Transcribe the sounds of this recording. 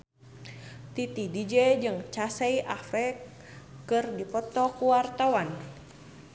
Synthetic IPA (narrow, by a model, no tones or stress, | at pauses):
t̪it̪idid͡ʒɛd͡ʒɨŋt͡ʃasɛiʔafɾɛ | kɨrdipɔt̪ɔkuwart̪awan